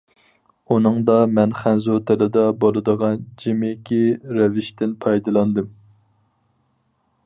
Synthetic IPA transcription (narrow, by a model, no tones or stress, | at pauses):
unɨŋd̪ɑmɛnχænzot̪ʰɪlɪd̪ɑbolˠɨd̪əʁɑnd͡ʒimɪkʲiɾɛvɪʃt̪ɪnpʰɑjd̪ɨlˠɑnd̪ɨm